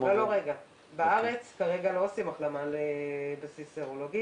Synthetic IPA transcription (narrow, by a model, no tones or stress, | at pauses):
eloʁeɡa | baaʁet͡skaʁeɡaloasimaχlamalebasiseʁoloɡi